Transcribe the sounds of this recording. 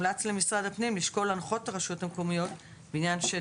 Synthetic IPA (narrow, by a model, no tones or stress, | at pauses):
lat͡sle̞misʁad̪hapnimliʃko̞lanχo̞taʁaʃothamko̞mijo̞t | beinjanʃe